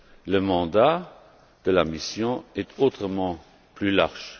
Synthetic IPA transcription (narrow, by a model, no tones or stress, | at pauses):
ləmɑ̃d̪a | d̪̥əlamisjɔ̃ɛt̪ʰot̪χəmɑ̃ | plylaʁʒ̥